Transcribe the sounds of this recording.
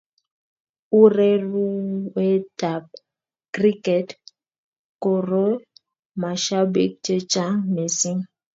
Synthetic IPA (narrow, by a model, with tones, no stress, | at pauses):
u˦ɾɛ˦ɾu˦wɛ˦ta˨p̚ | kɾi˦kɛ˨t | ko˨ɾo˦ | ma˨ʃa˦bḭ˦k̚t͡ʃe˦t͡ʃa˦ŋne˨si˦ŋ